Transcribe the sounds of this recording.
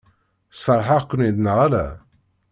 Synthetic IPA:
sfəɾˤħaʁkʷːənid̪nəʁælæ̰

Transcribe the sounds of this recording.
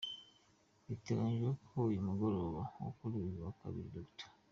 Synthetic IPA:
etːeɾaɲd͡ʒwokojimaɡoloβao̰kuluwaka̰βḭɾidoku̥tʰḁ

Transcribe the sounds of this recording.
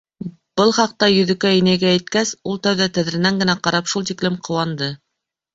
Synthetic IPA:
b̥ɤlˠχɑq̚t̪ɑjɵ̆ðɵ̆kæĭnæjɡæɘt̪̚kæsulˠt̪æwðæt̪æðɾɘ̆næŋɡɘ̆næqɑɾɑpʃulˠt̪iklɘmqʰŏwɑnd̪ɤ

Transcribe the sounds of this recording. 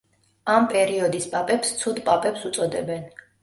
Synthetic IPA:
ampʼɛɾiɔd̪ispʼapʼɛpst̪sʰud̪pʼapʼɛpsut̪sʼɔd̪ɛbɛn

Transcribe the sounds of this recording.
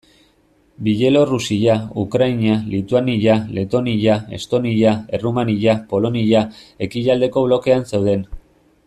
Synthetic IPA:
biʎe̞lo̞rusiʎaukɾajnialit̪uaniʎalet̪o̞niʎae̞̰st̪o̞niʎaerumaniʎapo̞lo̞niʎae̞kiʎald̪e̞ko̞β̞lo̞ke̞anse̞wðe̞n

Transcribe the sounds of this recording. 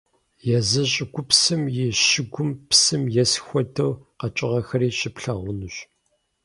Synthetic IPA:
jɛzɐɕʼɪɡʷʊpsɨmjɪʃɪɡʷʊmpsɨmjɛsxʷɔdɐwqɐt͡ʃʼɪʁɐxɐɾiːɕɪpɬɐʁʷʊnuɕ

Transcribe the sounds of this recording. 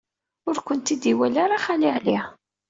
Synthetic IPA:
ʊɾkʷənt̪id̪iwælaɾaχaliʕli

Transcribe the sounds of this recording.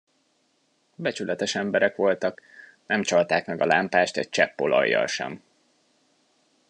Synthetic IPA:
bɛt͡ʃylʔɛt̪ɛʃɛmbɛɾɛkʋo̞lt̪ɒk | nɛmt͡ʃɒlt̪aːkmɛɡɒlaːmpaːʃt̪ɛc̚t͡ʃɛpːo̞lɒ̰jːɒ̰lʃɛ̰m

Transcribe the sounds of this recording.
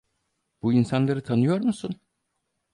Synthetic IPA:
b̥uinsanlˠaɾɯt̪ʰanɯjo̞ɾmusun

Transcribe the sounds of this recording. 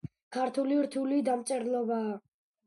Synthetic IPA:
kʰaɾt̪ʰuliɾt̪ʰulid̪amt̪sʼɛɾlˠɔbaː

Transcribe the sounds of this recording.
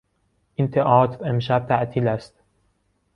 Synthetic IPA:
ʔint̪ʰeʔɒːt̪ʰɾe̞mʃæb̚t̪ʰæʔt̪ʰiːlæst̪

